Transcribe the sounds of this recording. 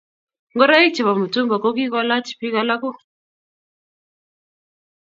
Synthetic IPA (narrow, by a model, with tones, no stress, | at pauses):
ŋɡɔ˦ɾa˦i˦t͡ʃɛ˨βa˨mu˨tu˦mba˨kɔ˦k̬i˦ka˦la˦t͡ʃi̥˨pi˦ka˨la˦ku˦